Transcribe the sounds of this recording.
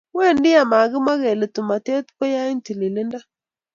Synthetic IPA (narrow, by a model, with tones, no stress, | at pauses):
we˦˨ndɪ˦a˨ma˨ɡɪ˦ma˦ɣe˨le˨tu˨ma˨te˦t̪pe˦ja˦ɪ˦nti˨li˨lɪ˦nda˦